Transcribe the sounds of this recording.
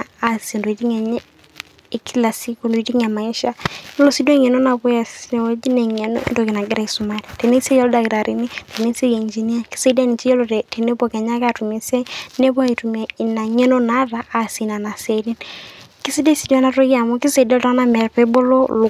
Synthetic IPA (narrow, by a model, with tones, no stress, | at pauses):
a˨se˨ndo˨d͡ʒi˦ŋɛ˨ɲɛ˦ | e˨ki˦la˨si˦ko˨ndo˨i˨ti˦ŋa˨ma˨ɛ˦ʃa˦lo˦˨si˦do˦ŋɛ˨no˦na˨bɔ˦ja˨sn˨˦d͡ʒi˦nɛ˨ŋɛ˨no̰˦ḛ˦ndo˨kɪ˨na˨ɡɪ˦ɾa˦i˨su˨ma˦˨ni˨te˨ne˦se˦jɔ˦lda˨kɪ˨ɾa˨ɾi˨ni˦te˨ne˦se˦ke˨i˨nd͡ʒi˨ni˦a˦ki̥˦se˦da˦ni˨t͡ʃi˦ɔ˦lo˨te˨ne˦bo˨kɛ˨ɲa˦ka˦˨tu˨me˨se˦ne˦bɔ˦a˦i˨tu˨me˨na˨ŋɛ˦no˦na˨˦ɾa˨ʔːsi˨na˨na˨se˨di˦nki˦si˦de˦si˨dna˦to˦ja˨mo˦ki˦se˨dɛ˦ltɔ˦ŋ˦na˦mɛ˨ɾpɛ˦bo˦lo˦lʊ˨